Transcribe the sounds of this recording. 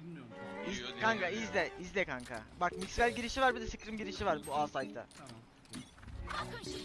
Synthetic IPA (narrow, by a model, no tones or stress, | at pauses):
izkʰaŋkaizlʲɛizlʲɛkʰaŋkʰa̰bakmicskalʲɟiɾiʃivaɾbid̪ɛsikɾimɟiɾiʃivaɾbuaːsajt̪ʰa̰